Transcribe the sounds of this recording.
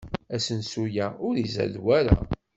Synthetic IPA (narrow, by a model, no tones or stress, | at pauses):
æsənsujæʊɾizæ̰ðwæɾæ̰